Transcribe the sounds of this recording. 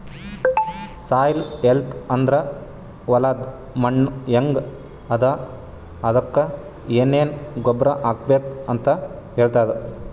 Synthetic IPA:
saːjlelt̪ɐnd̪ɾɐ | ʋɐlaːd̪ | mɐɳːɐŋɡ | ɐd̪a | ɐd̪ɐkːɐ | eːneːnɡɔbɾɐʔaːɡ̚beːkɐnt̪ɐ | ɦeːɭt̪aːjd̪e

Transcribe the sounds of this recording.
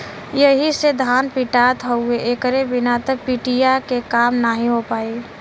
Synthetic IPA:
jəɦised̪ʱaːnpiʈat̪ɦəueʔekəɾebɪnat̪əpiʈijakekaːmnaɦĩɦopaːi

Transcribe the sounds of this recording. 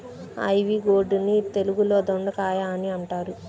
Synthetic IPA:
ɐ̰jʋiɡoːɖunit̪e̞luɡuloːd̪oɳɖɐkaːjaːniɐɳʈaːɾu

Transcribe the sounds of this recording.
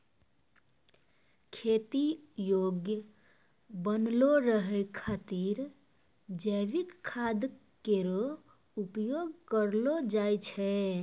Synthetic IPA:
kʰet̪ijoɡjə | bənloɾəɦɛkʰat̪iɾ | d͡ʒəʋikʰːad̪ | keɾo | upjoɡ̚kəɾlod͡ʒajt͡ʃʰɛ

